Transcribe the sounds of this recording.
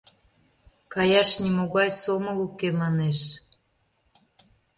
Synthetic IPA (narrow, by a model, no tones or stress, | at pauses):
kɑjɑʃnimoɣɑjsoməlukemɑneʃ